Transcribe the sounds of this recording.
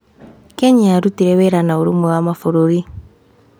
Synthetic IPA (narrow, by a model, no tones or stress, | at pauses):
kɛɲiaɾutiɾɛwɛɾanauɾumuɣamafuɾuɾi